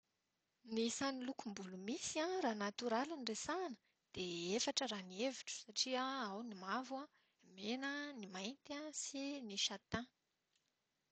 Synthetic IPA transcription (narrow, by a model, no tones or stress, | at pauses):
nisanilukumbulumisiãraːnat̪uɾaluniresanə̥ | d̪̥eefaʈ͡ʂəɾanieviʈ͡ʂu̥saʈ͡ʂiəawnimavwã | menənimajnt̪asiniʃat̪ã